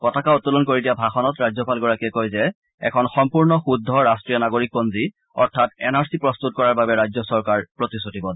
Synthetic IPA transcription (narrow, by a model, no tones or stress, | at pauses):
kɔtakaɔtːulɔnkoɹidijabʱaxɔnɔtɹazɔpalɡɔɹakiɛkojzɛ | ɛ̰kʰɔnxɔmpuɹnɔxudʱːɔɹastɹijɔnaɡoɹik̚bonzi | ɔɹtʰatɛnaɹsipɹɔst̪ut̚kɔɹaɹbabɛɹazɔsɔɹkaɹpɹotisotibɔ